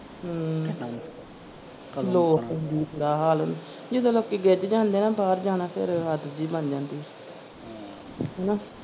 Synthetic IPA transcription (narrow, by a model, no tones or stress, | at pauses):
ɦ | lõːnd̪iːɾaːɦaːlɦʊ̰̃nd̪i | d͡ʒɪsoːloːkːiːɡeːd͡ʒd͡ʒãːnd̪eːnãːbaːɾd͡ʒaːnaːpʰɪɾɦət̪ʰd͡ʒiːbənd͡ʒãːnd̪iː | ɦɛnaː